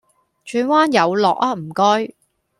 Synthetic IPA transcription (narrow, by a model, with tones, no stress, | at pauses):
t͡ʃyː˧nwaː˥njɐ˨˧wlɔː˨k̚aː˧m̩˨˩kɔː˥j